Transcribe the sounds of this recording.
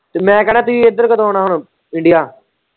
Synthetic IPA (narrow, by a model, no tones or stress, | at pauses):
t̪emɛ̃ːkənɛːt̪ʊiːɪd̪əɾkət̪oːnaːɦʊɳ | ɪ̃ɳɖɪjaː